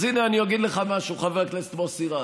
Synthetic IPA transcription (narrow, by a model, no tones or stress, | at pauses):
zineaniaɡid̪leχamaʃuχaveʁklest̪mosiʁa